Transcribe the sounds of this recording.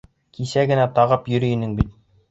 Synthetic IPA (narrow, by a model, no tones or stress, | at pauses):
kʰisæɡɘ̆næt̪ɑʁɤpjɵ̆ɾɵ̆jɘ̆nɘŋbit̪̚